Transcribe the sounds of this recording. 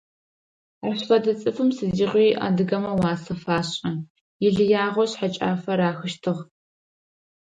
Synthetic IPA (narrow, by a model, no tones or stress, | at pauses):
aɕfɐdɐt͡sʼɨfɨmsɨdiʁʷiːʔa̰dɨɣɐmɐwaːsɐfaːɕʼɐ | jɪɮɨjaːʁʷɔɕħat͡ʃʼa̰ːfɐɾaːxɨʃtʰɨʁ